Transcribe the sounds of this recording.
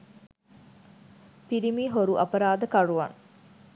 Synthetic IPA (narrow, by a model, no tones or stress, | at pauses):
piɾimiːɦoɾuʔɐpɐɾaːd̪əkɐɾuʋɐ̰ŋ